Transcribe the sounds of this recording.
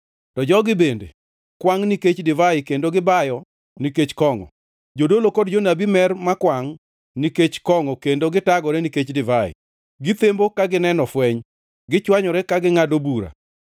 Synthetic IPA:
tɔd͡ʒɔɡɪbendḛ | kwaŋniket͡ʃdɪvaɪkendoɡɪbajɔ | niket͡ʃkɔŋɔ̰ | d͡ʒodolokodd͡ʒonabimɛrmakwaŋ | niket͡ʃkɔŋɔkendoɡɪtaɡɔɾɛniket͡ʃdɪvaɪ̰ | ɡɪt̪embokaɡɪnɛnɔfwɛɲ | ɡɪt͡ʃwaɲɔɾɛkaɡɪŋadobuɾa̰

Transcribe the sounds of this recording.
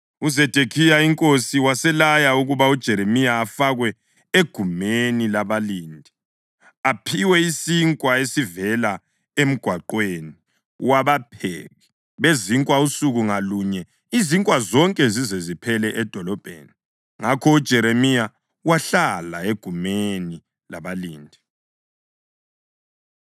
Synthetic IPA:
uzɛd̥ʱekʰijaiŋkʼosiwasɛlajauɣuβaud̥ʒ̥ʱɛɾemijaːfaɣwɛ | eɡ̥ʱumenilaβaliːndʱi | apʰiwɛisiŋkʼwaesivɛla | em̩ɡ̥ʱwaǃweːni | waβapʰḛɣi | βeziŋkʼwausuɣuŋaluɲɛ | iziŋkʼwazɔŋkʼɛzizezipʰɛlɛʔɛd̥ʱɔlɔb̥ʱḛni | ŋakʰɔud̥ʒ̥ʱɛɾemija | waɬala̰eɡ̥ʱumeni | laβaliːndʱi

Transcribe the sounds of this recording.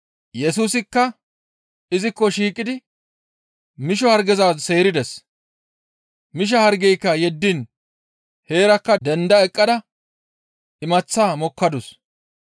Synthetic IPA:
jɛsuːsɪkːɐ | ɪzɪkːɔʃiːkʼːɪd̪ɪ | mɪʃ̬ɔhɐɾɡɛzase̞ːɾɪd̪ɛs | mɪʃ̬ɐhɐɾɡɛjkːɐjɛd̪ːɪn | he̞ːɾɐkːɐd̪ɛnd̪ɐɛkʼːɐd̪ɐ | ɪmɐt͡sːaːmɔkːɐd̪ʊs

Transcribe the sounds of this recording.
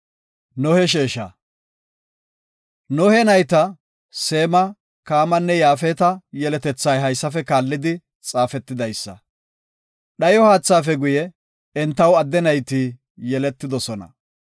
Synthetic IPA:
nɔhɛʃeːʃɐ̰ | nɔhɛnɐjt̪ɐ | seːmɐ | kaːmɐnːɛjaːfɛːt̪ɐjɛlɛt̪ɛt͡sːɐjɦɐjsːɐfɛkaːlːɪd̪ɪ | t͡sʼaːfɛt̪ːɪd̪ɐjsːɐ̰ | ɗɐjɔhaːt͡sːaːfɛɡʊjɛ | ɛnt̪ːɐwɐd̪ːɛnɐjt̪i | jɛlɛt̪ːɪd̪ɔsɔnɐ̰

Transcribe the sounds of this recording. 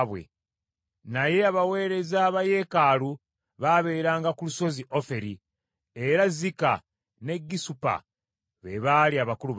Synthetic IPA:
βwḛ | naje̞aβawe̞ːɾe̞zaːβaje̞kaːlu | βaβe̞ɾaːŋɡakuluso̞ziʔo̞fe̞ɾi | e̞ɾazika̰ | ne̞ɡːisupa̰ | βḛβaliaβakulu

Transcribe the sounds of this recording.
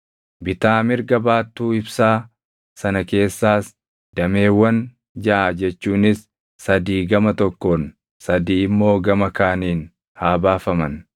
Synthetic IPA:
bɪt̪aːmɪɾɡɐbaːt̪ːuːɪbsaː | sɐnɐke̞ːsːaːs | d̪̥ɐme̞ːwːɐn | d͡ʒɐʔad͡ʒɛt͡ʃːuːnɪsː | ɐd̪iːɡɐmɐt̪ɔkːo̞ːn | sɐd̪iːɪmːo̞ːɡɐmɐkaːniːn | haːbaːfɐmɐn

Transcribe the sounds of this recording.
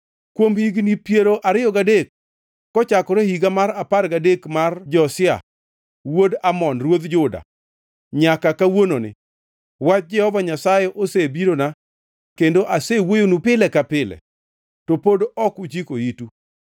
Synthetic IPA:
kwomhiɡnipjeɾoʔaɾɪjɔɡadek̚ː | ɔt͡ʃakɔɾehiɡamaɾaparɡadekmard͡ʒɔsɪa̰ | wodamɔnɾwod̪d͡ʒʊda̰ | ɲakakawononɪ̰ | wat͡ʃ̚d͡ʒɛhɔvaɲasajeʔosebiɾona | kendoʔasewojonupɪlɛkapɪlɛ̰ | topodɔkut͡ʃikoitu

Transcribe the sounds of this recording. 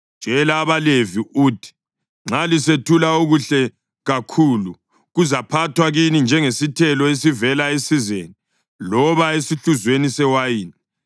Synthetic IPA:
d̥ʒ̥ʱɛlaːβaleviuːtʰi̥ | ŋ͡ǁʱalisetʰulaoɣuɬɛ | ɣakʰulu | ɣuzapʰatʰwaɣinind͡ʒʱɛŋesitʰɛlɔesivɛlaesizeni | lɔβaesiɬuzwenisɛwajiːni

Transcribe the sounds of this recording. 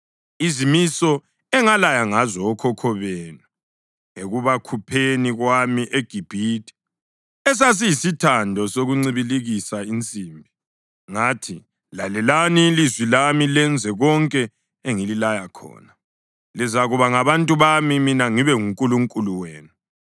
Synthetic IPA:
izimisɔ | ɛŋalajaŋazɔkʰɔkʰɔβeːnu | ŋeɣuβakʰupʰeniɣwamiʔeɡ̥ʱib̥ʱiːtʼi̥ | ɛs̬as̬ijisitʰandʱɔsoɣuŋ͡ǀiβiliɣisaint͡sʼimbʱi | ŋaːtʰi | lalɛlanilizwilamilɛnd͡zʱɛɣɔŋkʼɛ | eŋililajakʰɔ̰ːna | lizaɣuβaŋaβantʼuβamiminaŋiβɛŋuŋkʼuluŋkʼuluweːnu

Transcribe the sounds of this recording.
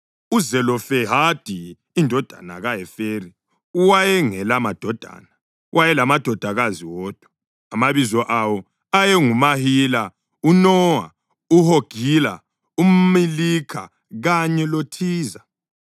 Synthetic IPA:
uzɛlɔfɛɦad̥ʱiː | ndʱɔd̥ʱa̰na̰ɣajɛfeːri | uwajɛŋɛlamad̥ʱɔd̥ʱa̰ːna | wajɛlamad̥ʱɔd̥ʱaɣaziwɔːd̥ʱwɔ̥ | amaβizɔʔawɔ | ajɛŋumahila | unɔːwa̰ | uhoɡ̥ʱila̰ | um̩milikʰa | ɣaɲɛlotʰiːza

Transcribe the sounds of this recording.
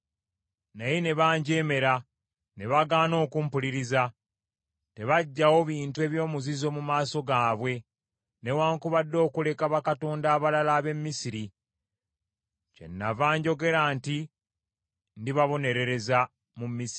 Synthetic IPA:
najene̞βaːɲɟe̞ːme̞ɾa | ne̞βaɡaːno̞ːkumpuliɾiza | te̞βaɟːawo̞βiːntue̞βjo̞ːmuzizo̞ːmumaːso̞ɡaːβwe̞ | ne̞waːŋkuβadːo̞ːkule̞kaβakato̞ːndaːβalalaːβe̞mːisiɾi | ce̞̰nːavaːɲɟo̞ɡe̞ɾaːnti | ndiβaβo̞ne̞ɾe̞ɾe̞za | mumːisii

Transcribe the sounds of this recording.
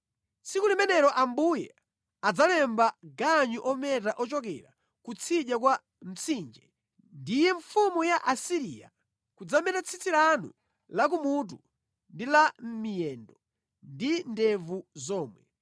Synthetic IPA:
sikulimɛnɛɾɔʔambujɛ | ad͡zalɛmbaɡaɲuʔɔmɛt̬aʔɔt͡ʃɔk̬ɛɾa | kut͡sʰiɗjak̬wa | m̩t͡sʰind͡ʒɛ | ndijɛɱfumujaʔasiɾija̰ | kud͡zamɛtat͡sʰit͡siɾanṵ | lak̬umut̬u | ndilam̩mijɛndɔ | ndindɛvuzɔːmwɛ̰

